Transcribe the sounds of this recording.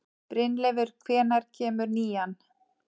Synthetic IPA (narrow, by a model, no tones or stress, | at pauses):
pɾɪnlɛvʏɾ̥kʰvɛːnaɾ̥cʰɛːmʏɾniːjan